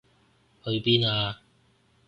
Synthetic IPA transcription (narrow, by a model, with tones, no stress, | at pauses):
hɵ˧ɥpiː˥naː˧